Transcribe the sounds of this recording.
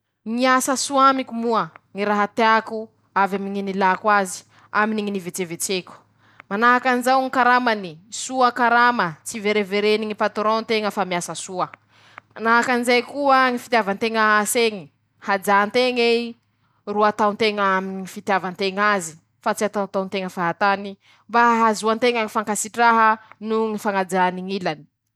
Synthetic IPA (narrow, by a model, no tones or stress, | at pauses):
ŋiasasuamikʲumuəŋiɾaɦat̪eaku | avamiŋinilakwazi̥ | aminiŋinivet͡sevet͡sekʲu̥ | manaɦakanizawŋikaɾamanisuakaɾamət͡siveɾeveɾeniŋipat̪uɾont̪eŋəfamiasasuə | manaɦakanizajkuəŋifi̥t̪javant̪eŋəaseŋi | had͡zaːnt̪eŋe | ruat̪awnt̪eŋəamiifit̪javant̪eŋazi̥ | fat͡siat̪at̪ant̪eŋəfaɦat̪ani | mbaɦazuant̪eŋəŋifaŋkasiʈ͡ʂaɦənuŋifaŋad͡zaniŋilani̥